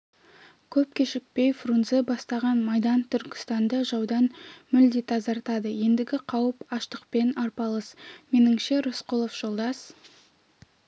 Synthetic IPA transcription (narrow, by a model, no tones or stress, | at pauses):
kʲʰɵp̚kʲʰeʃɪk̚pe̞jfrunzebɑst̪ɑʁɑnmɑjd̪ɑnt̪ʰʏɾkʲɪ̥st̪ɑnd̪əʒɑwd̪ɑnmɪʏld̪et̪ʰɑzɑɾt̪ɑd̪əje̞nd̪ɪɡʲɪqʰɑwəpɑʃt̪əqpe̞nɑɾpɑlˠəsme̞nɪŋʃe̞ɾosqolˠofʒ̥o̞lˠd̪ɑs